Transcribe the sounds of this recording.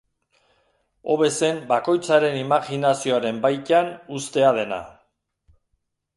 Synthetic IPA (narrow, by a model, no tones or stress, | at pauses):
o̞̰βe̞se̞mbako̞jt͡saɾe̞nimaɣinasio̞aɾe̞mbajt̪anust̪e̞aðe̞na̰